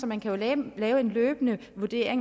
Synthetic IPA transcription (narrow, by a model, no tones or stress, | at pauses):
sɒ̽mænkʰæjo̝lɛːʊəe̝nløːb̥ənəʋuɐd̥e̝̰ɐeŋ